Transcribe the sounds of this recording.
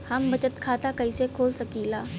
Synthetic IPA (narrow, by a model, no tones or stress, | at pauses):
hɐmbɐt͡ʃət̪kʰaːt̪akɐisekʰoːlsɐkiːlaː